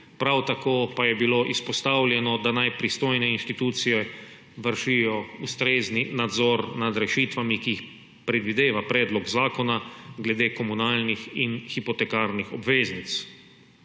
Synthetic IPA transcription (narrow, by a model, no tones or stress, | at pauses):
pɾawt̪akoːpajɛbiloʔispɔst̪awlʲjɛnɔd̪anajpɾist̪oːjnɛinʃt̪it̪uːt̪sijɛ | ʋəɾʃijɔust̪ɾeːzninad̪zɔɾnad̪ɾɛʃiːt̪ʋamikiix | pɾɛd̪ʋid̪eːʋapɾɛːd̪lɔɡzaːkɔnaɡlɛd̪eːkɔmunaːlnixinxipɔt̪ɛkaɾnixɔbʋeːznit̪s